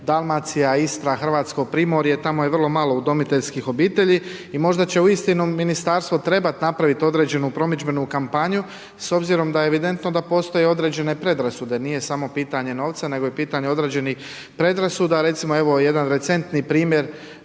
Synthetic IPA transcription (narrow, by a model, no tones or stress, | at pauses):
d̪alˠmat̪sijaist̪ɾaxr̩ʋaːt̪sko̞ɡ̚pɾiːmo̞ɾijet̪amojeʋr̩lo̞malˠo̞ud̪o̞mit̪e̞ʎskixo̞biːt̪e̞ʎiimo̞ʒd̪at͡ɕe̞uist̪inuminist̪aɾst̪ʋo̞t̪ɾe̞bat̪napɾaʋit̪o̞d̪ɾe̞ːd͡ʑe̞nupɾo̞mid͡ʑbe̞nukampaɲu | so̞bziɾo̞md̪ajeʋid̪e̞nt̪no̞d̪apo̞ːst̪o̞je̞o̞d̪ɾe̞ːd͡ʑe̞ne̞pɾe̞d̪ɾasud̪e̞nije̞samo̞piːt̪aɲe̞no̞ːʋt̪sane̞ɡo̞jepiːt̪aɲeo̞d̪ɾe̞ːd͡ʑe̞nix | pɾe̞d̪ɾasud̪aɾe̞t̪simo̞e̞ʋo̞je̞d̪anɾe̞t̪se̞nt̪nipɾiːmje̞ɾ